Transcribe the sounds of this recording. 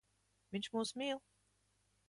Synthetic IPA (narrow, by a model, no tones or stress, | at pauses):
viɲʲʃmuːsmʲiːlˠ